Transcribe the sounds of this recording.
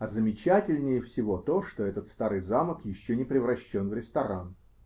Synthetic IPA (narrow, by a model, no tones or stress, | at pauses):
ɐzəmʲɪt͡ɕætʲɪlʲnʲɪjəfsʲɪvo̞t̪o̞ʂt̪o̞ɛt̪ət̪st̪aɾɨjzaməkjɪɕːonʲɪpɾʲɪvɾɐɕːonvɾʲɪst̪ɐɾan